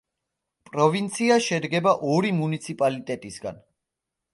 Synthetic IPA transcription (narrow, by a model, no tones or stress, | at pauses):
pʼɾɔvint̪sʰiaʃɛd̪ɡɛbaʔɔɾimunit̪sʰipʼalit̪ʼɛt̪ʼisɡa̰n